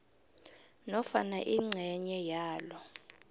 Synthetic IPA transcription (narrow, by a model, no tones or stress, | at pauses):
nɔfanaʔiŋ͡ǀʱɛɲɛjaːlɔ